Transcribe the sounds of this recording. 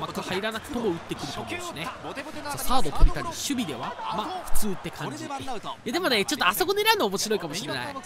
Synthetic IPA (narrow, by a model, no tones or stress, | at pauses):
makːahaiɾanakɯ̟̥t̪o̞moɯ̟t̪ːe̞kɯ̟ɾɯ̟t̪o̞ːmõesɨnesasaːd̪o̞t̪ʰoɾit̪aɾʲiɕɨbʲid̪e̞βa̰maɸɯ̟̥t͡sɨːt̪ːe̞kʰãɲ̟d͡ʑijad̪e̞mo̞ne̞t͡ɕo̞t̪ːoaso̞ko̞neɾaɯnoːmo̞ɕiɾo̞ikamo̞ɕiɾena̰ḭ